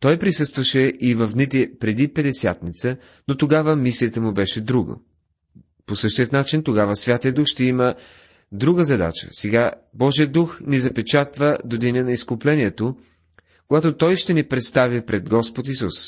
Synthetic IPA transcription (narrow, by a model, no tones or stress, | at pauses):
t̪ɔjpɾisɤst̪vəʃɛʔivɐfd̪nit̪ɛpɾɛd̪ipɛd̪ɛsʲja̰t̪nit̪sə | not̪oɡavəmislijət̪əmubɛʃɛd̪ɾuɡo̰ | posɤʃt̪iət̪nat͡ʃint̪oɡavəsvʲjat̪ijəd̪uxʃt̪ɛimə | d̪ɾuɡəzɐd̪a̰t͡ʃə̰sɛɡabɔʒiəd̪uxnizɐpɛt͡ʃat̪vəd̪od̪inʲənɐiskʊplɛniɛt̪o | koɡat̪ot̪ɔjʃt̪ɛnipɾɛt̪st̪avipɾɛd̪ɡɔspot̪isus